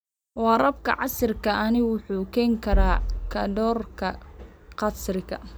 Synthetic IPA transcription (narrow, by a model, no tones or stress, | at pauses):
wɑːrɐb̚kʰɐ̰ʕɑsɪrkʰɐʔɐnɪwʊħuːkʰɛːŋkʰɐɾaːkʰɐ̰dɔːrkʰɐqɑsrɪkʰɐ̰